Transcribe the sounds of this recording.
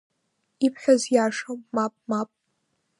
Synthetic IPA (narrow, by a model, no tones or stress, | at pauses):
ipʰħʷᶣazjaːʂommapʼmapʼ